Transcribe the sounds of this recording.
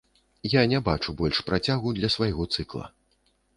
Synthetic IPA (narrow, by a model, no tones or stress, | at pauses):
janʲɛbat͡ʂubɔlʲʂpɾat͡sʲaɣud̪lʲɐsvajɣɔt̪sɨklˠɐ̰